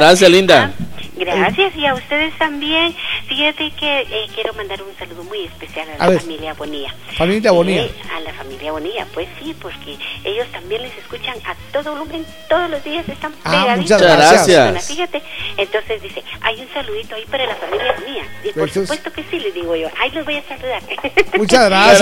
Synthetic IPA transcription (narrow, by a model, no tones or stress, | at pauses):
ɾas̬jaslind̪aɡɾasjasiaust̪eðest̪ambjenfixat̪ekeekje̞ɾomand̪aɾunsaluðomujespesjalalaafamiljaβonia | familjaβoniaa̰lafamiljaβonia̰pwesːipoɾkeeʝo̞st̪ambje̞nleseskut͡ʃaŋat̪oðoolumen | t̪o̞ðozlozd̪iasest̪ampaeɣamut͡ʃazɾaɾasajajnafixat̪eːnt̪o̞nse̞zd̪iseajunsaluðit̪oaipaɾalafamiljaβonia̰iospwest̪okesilezðiɣoʝoʔailezbo̞jasaluðaɾt̪emut͡ʃazɣɾa